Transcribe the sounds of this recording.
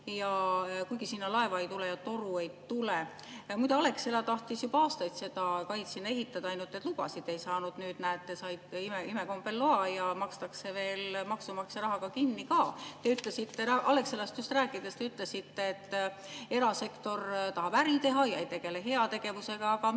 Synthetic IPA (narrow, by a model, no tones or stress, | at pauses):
jɑkujɡ̥isinːɑlɑe̞vɑejt̪ulejɑt̪oɾue̞jt̪ule | mujd̪eɑle̞kselɑt̪ɑht̪isjubɑɑːst̪ɑjt̪se̞d̪ɑkɑjt̪sinːɑeɦit̪ːˑɑd̪̥ɑɑjnult̪ːˑe̞t̪ːˑluɡ̥ɑ̰sid̪̥e̞jsɑːnud̪̥nyːd̪̥næet̪ːe̞sɑjd̪̥imeimeko̞mbelːoɑjɑmɑkst̪ɑkse̞ve̞ːlmɑksumɑkseɾɑɦɑɡ̥ɑkinːikɑːt̪e̞yt̪ˑlesit̪ːeɑʔɑle̞kselɑst̪just̪ræːkːˑid̪est̪e̞yt̪ːˑlesit̪ːeːt̪ː | e̞ɾɑse̞kt̪o̞rt̪ɑɦɑb̥æɾit̪e̞ɦɑjɑejt̪e̞ɡ̥e̞le̞ɦe̞ɑt̪e̞ɡ̥e̞vuse̞ɡ̥ɑːɡɑ